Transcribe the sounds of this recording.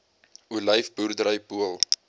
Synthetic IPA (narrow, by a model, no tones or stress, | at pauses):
uləjfburdəɾəjpuəlˠ